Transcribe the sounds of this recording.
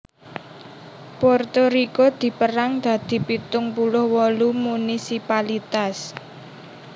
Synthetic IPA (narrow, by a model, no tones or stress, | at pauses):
pɔrt̪oɾikod̪̥i̤pəɾaŋd̪̥ä̤d̪̥i̤pit̪ʊŋpulʊhwɔlumunisipalit̪as